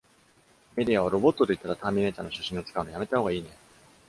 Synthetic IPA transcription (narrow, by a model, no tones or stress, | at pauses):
me̞d̪ʲiaβaɾo̞bo̞t̪ːo̞d̪eit̪ːaɾat̪aːmʲine̞ːt̪a̰noɕḁɕĩo̞t͡sɨ̥kaɯ̟nojame̞t̪ahoɡaiːnẽ̞